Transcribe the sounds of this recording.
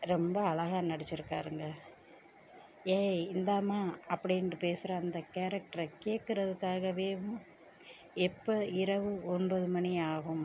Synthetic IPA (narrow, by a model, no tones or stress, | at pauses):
ɾɛmbɐːɭɐɣaːnɐɽɐt͡ʃːɪɾɯkːaːɾɯŋɡɐ | eːɪnd̪aːmaːɐpːɐɽɪɛnɯpeːsɯɾɐːnd̪ɐkeːɾɐk̚ʈɐɾɐkeːʈkːɯɾɐðɯkːaːɣɐʋeːʋʊ̃ | ɛpːɐɪɾɐʋɯɔnbɐðɯmɐniaːɣɯm